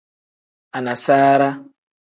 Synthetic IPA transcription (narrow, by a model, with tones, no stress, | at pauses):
a˨na˨saː˦ɾa˦